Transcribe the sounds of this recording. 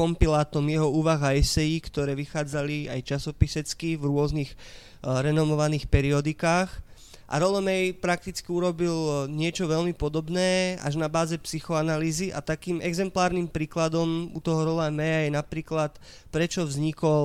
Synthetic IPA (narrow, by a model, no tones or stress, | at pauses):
ɔmpilaːt̪ɔmjɛɦɔuːʋaɣaɛsɛjikt̪ɔɾɛːʋixaːd͡zalia̰jt͡ʃasɔpisɛt͡skivɾʊɔznix | ɾɛnɔmɔʋaniːxpɛɾiɔd̪ikaːx | ʔa̰ɾɔlɛmɛjpɾak̚t̪it͡skiuɾɔbilɲɪɛt͡ʃɔʋɛlmipɔd̪ɔbnɛːa̰ʒnabaːzɛpsixɔanaliːziʔa̰t̪akiːmɛɡzɛmplaːɾnimpɾiːklad̪ɔmṵt̪ɔɦɔɾɔlamɛjajɛnapɾiːklat̪ | pɾɛt͡ʃɔvzɲikɔl